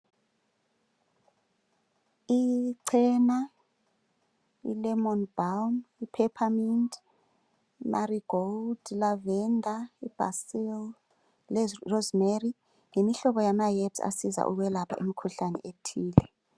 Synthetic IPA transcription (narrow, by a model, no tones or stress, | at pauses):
iǀʰɛːna | ḭlɛmɔnbamipʰɛpʰamind | mʔaɾiɡ̥old̥lavɛndʱaib̥a̰sil | lrɔzmeri | ŋemiɬɔɓɔjamajɛbsa̰siza̰ʔṵk̬wɛlapʰa̰ʔimikʰuɬanɛ̰ʔetʰiːlɛ